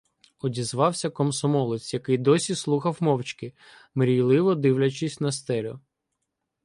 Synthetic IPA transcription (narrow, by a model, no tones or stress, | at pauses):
ɔdʲizʋɑwsʲɐkɔmsɔmɔlˠɪt͡s̪ʲjɐkɪjd̪ɔsʲislˠuxɐwmɔwt͡ʃkɪ | mɾʲijlˠɪʋɔd̪ɪwlʲɐt͡ʃɪsʲnɐst̪ɛlʲɔ̰